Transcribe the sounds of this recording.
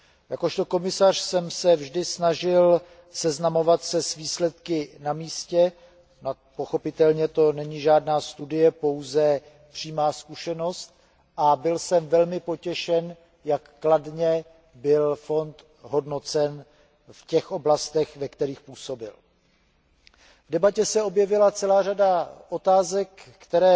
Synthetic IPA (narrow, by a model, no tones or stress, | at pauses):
jako̞ʃt̪o̞ko̞mɪsar̥sɛmsɛvʒdɪsnaʒɪl | sɛznamo̞vat̪sɛsviːslɛt̪kɪnamiːscɛ | no | poxo̞pɪt̪ɛlɲɛt̪o̞nɛɲɪʒaːdnaːst̪udɪjɛpo̞wzɛ | pr̝̥iːmaːskuʃɛno̞st̪̚ | ʔabɪlsɛmvɛlmɪpo̞cɛʃɛn | jakːladɲɛ | bɪlfo̞nt̪ | ɦo̞dno̞t͡sɛn | fcɛxʔo̞blast̪ɛxvɛkt̪ɛɾiːxpuːso̞bɪ̰l | vdɛbacɛsɛo̞bjɛvɪlat͡sɛlaːradaʔo̞t̪aːzɛkː | t̪ɛɾɛː